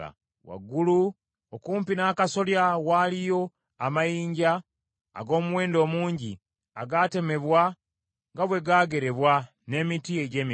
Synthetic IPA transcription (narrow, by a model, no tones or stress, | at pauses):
wa̰ɡulu | okuːmpinaːkaso̞ljawaːlijo̞ | amajiːɲɟa̰ː | ɡo̞ːmuwe̞ːndo̞ːmuːɲɟi | a̰ɡate̞me̞βwa | ŋɡaβwe̞ɡaːɡe̞ɾe̞βwa | ne̞mitie̞ɟe̞ːmi